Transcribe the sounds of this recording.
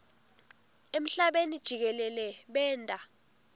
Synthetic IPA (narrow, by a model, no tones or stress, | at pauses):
em̩ɬaɓenid̥ʒ̥ʱik̬ɛlɛlɛɓɛːndʼʱa